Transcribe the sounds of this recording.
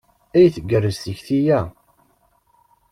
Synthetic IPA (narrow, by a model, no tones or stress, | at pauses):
æjθəɡːərːəzt̪əçθijæ